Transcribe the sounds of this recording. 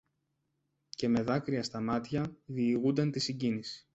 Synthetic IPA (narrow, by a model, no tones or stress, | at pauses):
ce̞me̞ðɐkɾiɐst̪ɐmɐt̪çɐðiːɣund̪ɐnt̪isiɲɟinisi̥